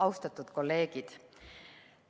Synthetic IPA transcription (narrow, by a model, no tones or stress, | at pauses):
ɑwst̪ɑt̪ːˑut̪ko̞lːe̞ːɡ̥id̪̥